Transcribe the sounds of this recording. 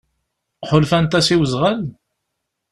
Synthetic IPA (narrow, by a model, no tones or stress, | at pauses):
ħolfænt̪æsiwəzʁəl